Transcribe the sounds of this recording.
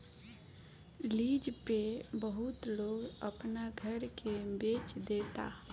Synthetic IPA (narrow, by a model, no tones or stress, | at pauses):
lid͡ʒpebəɦut̪loɡəpnaɡʱəɾkebet͡ʃd̪et̪a̰